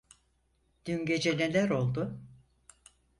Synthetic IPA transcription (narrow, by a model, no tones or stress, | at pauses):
d̪̥ynɟe̞d͡ʒe̞lelʲæɾo̞lˠd̪ʊ